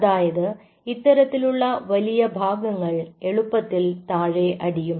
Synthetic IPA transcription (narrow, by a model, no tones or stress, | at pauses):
ðaːjɐðɨ | it̪ːɐɾɐt̪ːiluɭːɐʋɐlijɐbʱaːɡɐŋːɐɭe̞ɭupːɐt̪ːilt̪aːɻeʔɐɽijum